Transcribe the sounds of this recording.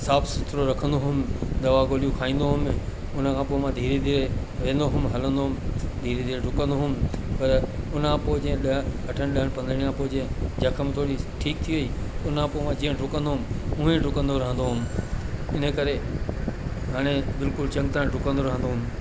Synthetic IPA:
saːbsɪt̪ʰɾoɾɐkʰə̃nd̪oɦʊmɪ̆d̪ɐʋaɡoːlijũkʰaːĩːn̆d̪oɦʊm | ʊn̤əkʰãːpoːɪmãd̪ʱiːɾed̪ʱiːɾe | ʋẽːnd̪oɦʊmɦɐlə̃nd̪oɦʊmɪ̆d̪ʱiːɾed̪ʱiːɾeɖʱʊkə̃nd̪oɦʊmɪpɐɾʊnãpoːɪd͡ʑ̃ɗɐʈʰəñɗɐɦəɽ̃pɐ̃nd̪əɽ̃ijãpoːɪd͡ʑẽd͡ʑɐkʰəmɪt̪ʰoːɽiʈʰiːk̚t̪ʰiʋɐiːʊnʰãpoːɪmãd͡ʑĩːɦɖʱʊkə̃nd̪oɦʊmɪ̆ʊ̃ɦẽɖʱʊkə̃nd̪oɾɐɦə̃nd̪oɦʊmɪ̆ɪnəkɐɾe | ɦaːɽ̃ebɪlkʊlt͡ɕɐ̃ŋɡ̚t̪aːɪ̃ɖʱʊkə̃nd̪oɾɐɦə̃nd̪oɦʊmɪ̆

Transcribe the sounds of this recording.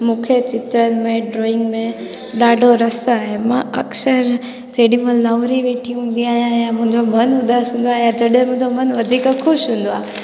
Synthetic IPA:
mũkʰet͡ɕɪt̪ɾənmẽɖɾoːɪ̃ŋɡmẽ | ɗaːɖʱoɾəsɦemãɐ̰ksəɾ | d͡ʒeːɗĩmə̃ləʋɾiʋeːʈʰiɦũːn̆d̪iaːɦjãjãmʊ̃ɲd͡ʒomɐnʊd̪ʱaːsɦũːnd̪oaːjãd͡ʒɐɗẽmʊ̃ːɲd͡ʒomənʋɐd̪ʱiːkakʰʊʃɦũːn̆d̪oaː

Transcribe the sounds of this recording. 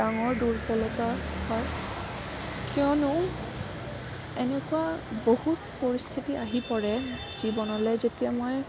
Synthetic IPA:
aŋɔɹduɹpɔlɔtahɔj | kijɔnʊ | ɛnɛkuabohutpoɹist̪ʰitiʔaɦipɔɹɛ | z̥ibɔnɔlɛzetijamoj

